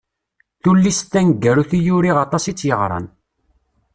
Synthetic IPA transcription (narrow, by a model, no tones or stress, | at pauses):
θulːist̪ːænɡːæɾuθijuɾiʁɑt̪ˤɑsit͡sːjəʁɾˤɑ̰n